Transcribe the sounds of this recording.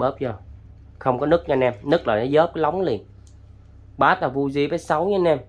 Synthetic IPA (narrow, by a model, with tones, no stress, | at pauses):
ɓəː˦˥p̚zə˧˩ | xə˧wŋ͡mkɔ˨˦nɨ˦˥k̚ɲa˧nɛ˧mnɨ˦˥k̚laː˨˩na˨˦zəː˦˥p̚kla˨˦wŋ͡mli˧˩n | ɓaː˨˦˥t̪aː˨˩vu˧zi˧va˨˦jsa˨˦wɲɔ˨˧˦nɛ˧m